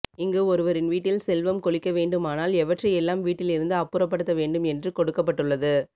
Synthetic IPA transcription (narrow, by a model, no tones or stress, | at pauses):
ɪŋɡeːɔɾɯʋɐɾɪnʋiːʈːɪlsɛlʋɐmkɔɭɪkːɐʋeːɳɖɯmaːnaːlɛʋɐʈrɐɛlːaːmʋiːʈːɪlɪɾɯnd̪ɯɐpːɯɾɐp̬ːɐɽɯt̪ːɐʋeːɳɖɯmɛndrɯkɔɽɯkːɐpːɐʈːɯɭːɐðɯ